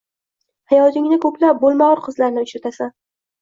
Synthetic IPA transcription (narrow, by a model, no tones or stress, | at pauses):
hajɒd̪ɪŋnɪkʰɵplap̚bolˠmaɒɾqʰɨzlaɾnɪʊʃɾat̪ʰasan